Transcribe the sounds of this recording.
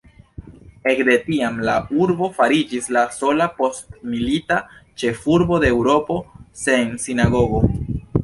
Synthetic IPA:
e̞kde̞tiamlauɾbo̞faɾid͡ʒislaso̞lapo̞stmilitat͡ʃe̞fuɾbo̞de̞ːwɾo̞po̞se̞nsinaɡo̞ɡo̞

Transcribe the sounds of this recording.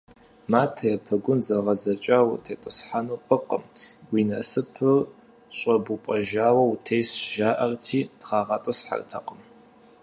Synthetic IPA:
maːtʰɐjɛpʰɐɡʷʊnzɐʁɐzɐt͡ʃʼaːwtʰeːtʼɨsħanuːfʼɨqəmwinɐsɨpʰɨr | ɕʷʼɐbupʼɐʒaːwɐwutʰejsʒaːʔɐrtʰiːd̥χɑːʁɐtʼɨsħa̰rtʰɐ̰qʼəm

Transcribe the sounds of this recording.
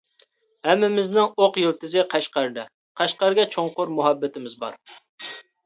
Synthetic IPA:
hɛmːɪmɪznɪŋoqjɪlˠt̪ʰɪzɪqʰæʃqɑɾd̪ɛ | qʰæʃqɑɾɡʲɛt͡ʃʰoŋqʊɾmuɦɑbːɪt̪ɪmɪzbɑ̰ɾ

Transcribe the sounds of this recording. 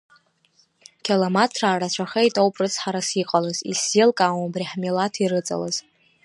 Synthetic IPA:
kʲʰilomatʰraːrat͡ɕʷʰaχejtʼowpʼrɨt͡sʰħaɾasiqʼalozḭsilkʼawmbriħmilatʰirɨt͡sʼa̰laz̥

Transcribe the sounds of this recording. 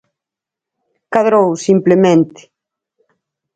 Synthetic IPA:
kaðɾowsimplemẽnt̪ɪ̥

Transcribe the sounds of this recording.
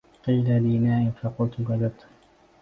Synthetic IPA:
qiːlaliːnaːʔɪnfɑqʊlt̪ʊɡɑd̪ab̚t̪ʊ̥

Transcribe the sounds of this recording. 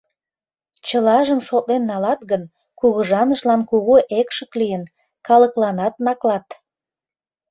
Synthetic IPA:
t͡ɕəlɑʒəmʃot̪lenːɑlɑt̪ɣən | kuɣəʒɑnəʃlɑnkuɣoʔekʃəklijən | kɑləklɑnɑt̪nɑklɑt̪

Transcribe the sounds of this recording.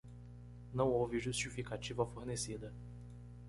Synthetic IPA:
nɐ̃w̃owvɪʒust͡ʃifikat͡ʃivɐfoɾnesid̪ɐ

